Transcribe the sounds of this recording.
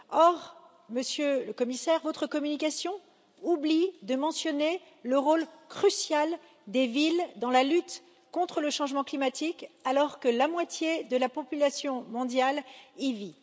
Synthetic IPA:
ɔʁ | məsjøləkɔmisɛʁvot̪χəkɔmynikasjɔ̃ | ublid̪əmɑ̃sjɔne | ləʁolkχysjal | d̪evild̪ɑ̃lalyt̪ | kɔ̃t̪χələʃɑ̃ʒmɑ̃klimat̪ikalɔʁkəlamwat̪jed̪əlapɔpylasjɔ̃mɔ̃d̪jalivi

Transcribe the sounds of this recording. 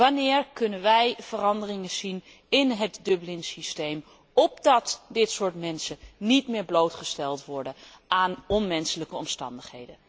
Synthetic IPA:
ʋanɪːɹkɵnənʋɛjv̥ərɑndərɪŋəzin | ɪnɦətdɵblɪnsistejm | ɔp̚dɑtdɪtsʊːɹtmɛnsənitmɪːɹblowtχəstɛlˠtʋɔɹdə | aːnɔnmɛnsələkəɔmstɑ̰ndəχɦḛjdən

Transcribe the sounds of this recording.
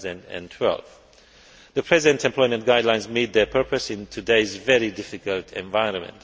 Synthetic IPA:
zə̃ndɨ̰̃ntʰw̥ɛ̰lˠv̥ | ðəpʰɹ̥ɛzɪɨ̃ntɛ̃mpʰlɔɪmə̃nɡ̥aɪdlãɪ̃nzmid̪̚ðə˞pʰɜ˞pəsɪ̃ntʰɨdeɪzvɛɹidɪfɪkəlˠtʰɛ̰̃ɱvaɪɹə̃nmə̰̃nt

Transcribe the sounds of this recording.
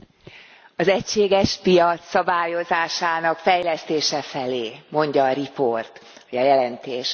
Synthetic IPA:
ɒzɛcʃeːɡɛʃpijɒt̪sːɒbaːjo̞zaːʃaːnɒkfɛjlɛst̪eːʃɛfɛleːmo̞ɲɟɒːɾiport̪ | hoɟɒjɛlɛnt̪eːʃ

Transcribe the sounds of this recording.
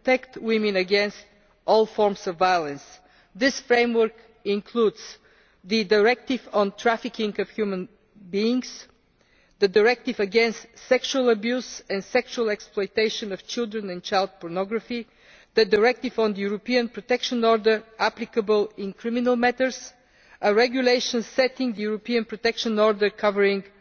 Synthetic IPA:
t̪ɛkt̪wɪ̃mɨ̃nəɡɛ̃nst̪ | ʔɔlˠfɔɹmsɔvːajəlˠə̃ns | ðɪsfɹẽɪ̃mwə˞k | ɪ̃nkʰludz̥ | ðɨdəɹɛk̚t̪ɪvɔ̃ntʰɹæfɪkɪ̃ŋɡəvhjumə̃n | biɪ̃ŋs | ðədəɹɛk̚t̪ɪvəɡɛ̃nst̪sɛkʃuəlˠəbjuzɛ̃ndsɛkʃuəlˠɛksplˠɔjt̪eɪʃə̃nəv̥t͡ʃɪlˠd̪ɹə̃nɛ̃nt͡ʃaɪlˠd̪̚pɔɹnɔɡɹəfi | ðədəɹɛk̚t̪ɪvɔ̃ndəjuɾɔpiə̃npɹɔt̪ɛkʃə̃nɔɹd̪ə˞æplɪkəbəlˠɪ̃nkɾɪmɪnəlˠmɛt̪əɾs | əɹɛɡjuleɪʃə̃nsɛt̪ɪ̃ŋðəjuɹɔpiə̃npɹɔt̪ɛkʃə̃nɔɹd̪əɹkʰʌvəɹɪ̃ŋ

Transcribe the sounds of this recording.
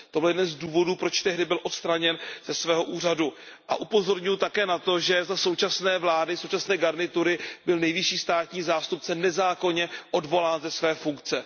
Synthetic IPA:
t̪o̞bɪljɛdɛnzduːvo̞duːpɾo̞t͡ʃt̪ɛɦdɪbɪlʔo̞t̪st̪ɾaɲɛnz̥ɛsvɛːɦo̞ʔuːr̝adu | ʔa̰ʔupo̞zo̞ɾɲʊjut̪akɛːnat̪o̞ʒɛzaso̞wt͡ʃasnɛːvlaːdɪsowt͡ʃasnɛːɡaɾnɪt̪uɾɪbɪlnɛjvɪʃiːst̪aːt̪ɲiːzaːst̪up̚t͡sɛnɛzaːko̞ɲɛʔo̞dvo̞laːnzɛsvɛːfuŋkt͡sɛ

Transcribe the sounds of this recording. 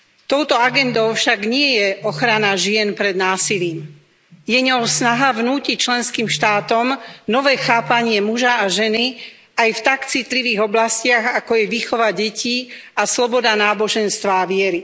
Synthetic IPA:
t̪ɔʊt̪ɔaɡɛnd̪ɔʊfʃaɡɲɪɛjɛʔɔxɾanaʒɪɛnpɾɛd̪naːsiliːm | jɛɲɔsnaɦaʋnuːcict͡ʃlɛnskiːmʃt̪aːt̪ɔmnɔʋɛːxaːpaɲɪɛmuʒaːʒɛni | ajft̪akt͡sit̪liʋiːɣɔblascɪaɣakɔjɛʋiːxɔʋaɟɛci | aslɔbɔd̪anaːbɔʒɛnst̪ʋaːʋɪɛɾi

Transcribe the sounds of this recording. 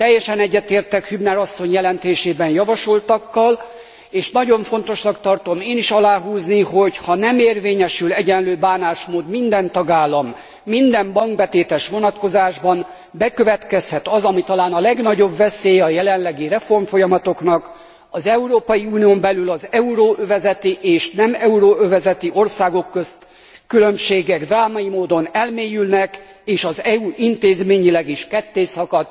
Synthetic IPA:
t̪ɛjːɛʃɛnɛɟːɛt̪eːrt̪ɛkhybnɛɾɒsːo̞ɲjɛlɛnt̪eːʃeːbɛnjɒvɒʃo̞lt̪ɒkːɒl | eːʃnɒɟo̞ɱfo̞nt̪oʃnɒkt̪ɒrt̪o̞meːniʃɒlaːɦuːznihochɒnɛmeːrveːɲɛʃylɛɟɛnløːbaːnaːʃmoːd̪mind̪ɛnt̪ɒɡaːlːɒmː | ind̪ɛmbɒŋɡbɛt̪eːt̪ɛʃʋo̞nɒt̪ko̞zaːʒbɒn | bɛkø̞vɛt̪kɛshɛt̪ɒzɒmit̪ɒlaːnɒlɛɡn̪ɒɟo̞bvɛseːjɒjɛlɛnlɛɡirɾɛfo̞rmfo̞jɒmɒt̪o̞knɒk | ɒzɛuɾoːpɒjiuːnijombɛlylɒzɛuɾoːʔøvɛzɛt̪iʔeːʃnɛmɛuɾoːøvɛzɛt̪iʔo̞rsaːɡo̞kːøst̪ | kylø̞mʃeːɡɛɡd̪raːmɒjimoːd̪o̞nɛlmeːjylnɛk | eːʃɒzɛuʔint̪eːzmeːɲilɛɡiʃkɛt̪ːeːsɒkɒt̪

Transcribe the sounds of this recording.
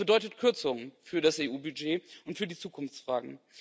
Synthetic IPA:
b̥ədɔʏtətkʰʏɐt͡sʊŋfyːɐɾaseːʔuːbyd͡ʒeːʔʊntfyːɐdiːt͡suːkʰʊnft͡sfʁ̥aːɡŋ̩

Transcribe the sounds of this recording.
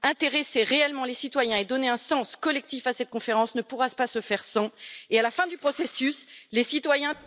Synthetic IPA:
ɛ̃t̪eʁeseʁeɛlmɑ̃lesit̪wajɛ̃ed̪ɔneɛ̃sɑ̃skɔlɛk̚t̪ifasɛt̪̚kɔ̃feʁɑ̃snəpuʁaspasəfɛʁsɑ̃ealafɛ̃d̪ypχɔsesyslesit̪wajɛ̃

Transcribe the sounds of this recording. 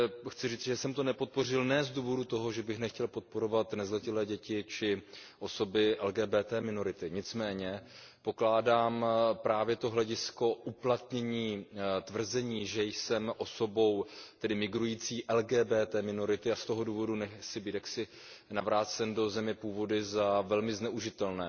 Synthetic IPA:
xt͡sɪriːt͡sɪʒɛsɛmt̪o̞nɛpot̪̚po̞r̝ɪlnɛːzduːvo̞dut̪o̞ɦo̞ʒɛbɪxnɛxcɛlpo̞t̪̚po̞ɾo̞vat̪nɛzlɛcɪlɛːɟɛcɪt͡ʃɪʔo̞so̞bɪʔɛlɡɛːbɛːt̪ɛːmɪno̞ɾɪt̪ɪɲɪt͡smɛːɲɛ | po̞klaːdaːmpɾaːvjɛt̪oɦlɛɟɪsko̞ʔuplat̪ɲɛɲiːt̪vr̩zɛɲiːʒɛjsɛmʔo̞so̞bo̞wt̪ɛdɪmɪɡɾujiːt͡siːʔɛlɡɛːbɛːt̪ɛːmɪnoɾɪt̪ɪast̪o̞ɦo̞duːvo̞dunɛsɪbiːt̪jaksɪ | navɾaːt͡sɛndo̞zɛmɲɛpuːvo̞dɪzavɛlmɪznɛʔuʒɪt̪ɛlnɛː

